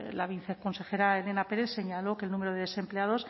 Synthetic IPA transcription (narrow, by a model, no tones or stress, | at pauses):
laβ̞inθeko̞nse̞xe̞ɾaele̞nape̞ɾeθse̞ɲalo̞kelnũmeɾoðeðese̞mpleaðo̞s